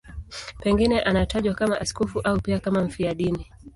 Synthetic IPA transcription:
pɛŋɡinɛʔanataʄwakamaʔaskɔfuʔaupiakamam̩fiaɗini

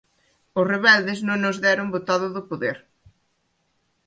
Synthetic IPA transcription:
ʊsreβɛld̪ɪsnõŋnʊzðɛɾʊmbot̪aðʊðʊpoðeɾ

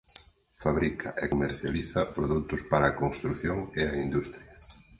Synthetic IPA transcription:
faβɾikʰɐ̰ʔekomeɾθjaliθɐpɾoðut̪ʊspaɾɐaːkonst̪ɾukθjoŋeɐind̪ust̪ɾjɐ

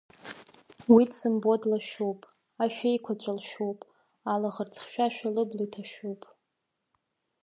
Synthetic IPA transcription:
widsɨmbo̞dlaʃowpʼ | aʃᶣajkʷʰat͡ʃʷʼalʃᶣowpʼ | alaʁərt͡sʰχʃᶣaʃᶣalɨblojtʰaʃᶣuwpʼ

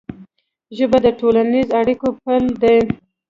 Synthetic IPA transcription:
ʒəbad̪əʈolanizaɽikopəld̪e

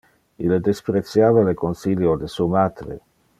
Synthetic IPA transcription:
ilːed̪espɾet̪sjaːvalekonsiljod̪esumaːd̪ɾḛ

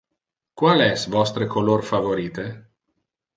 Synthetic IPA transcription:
kwaːlɛsvɔst̪ɾekʰolorfavoɾiːt̪e

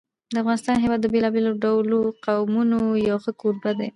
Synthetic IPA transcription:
d̪əafɣɑnɪst̪ɑnɦewɑd̪̚ːəbelɑbeloɖawloqawmunojɑwxəkoɾbad̪e

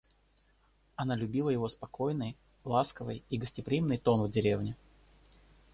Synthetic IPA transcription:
ɐnalʲʊbʲilˠəjɪvo̞spɐko̞jnɨj | lˠaskəvɨ̰jiɡəsʲtʲɪpɾʲimnɨjt̪o̞nvdʲɪɾʲevnʲɪ

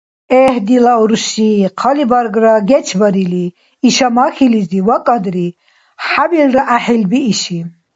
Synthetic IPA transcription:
ɛhd̪ilaɔɾʃiqʰɑlibaɾɡɾaɡɛt͡ʃʰbaɾiliː | ʃamaxiliziwakʼad̪ɾi | ħabilɾaʔaħilbiːʃi

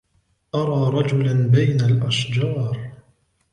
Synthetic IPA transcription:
ʔɑɾˤɑːɾˤɑd͡ʒʊlanbajnalʔaʃd͡ʒɑːɾˤ

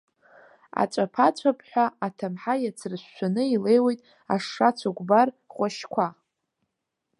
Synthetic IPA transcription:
a̰t͡ʃʷʼapʰat͡ɕʷʰapʰʼħᶣʷaatʰamħajat͡sʰrɨʃːʷanɨile̞jwejtʼ | a̰ʂːat͡sʷʰaɡʷbar | χʷaʃkʷʰa

